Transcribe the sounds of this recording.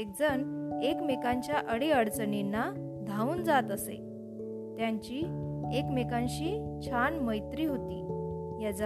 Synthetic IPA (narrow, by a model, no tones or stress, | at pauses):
ek̚d͡zənekmekãɲt͡ɕjaʔəɽeəɽt͡səninːa | d̪ʱauːnd͡zat̪əsḛ | t̪jaɲt͡ɕiːekmekãɲɕiːt͡ɕʰanməjt̪ɾiːɦot̪ḭːjad͡z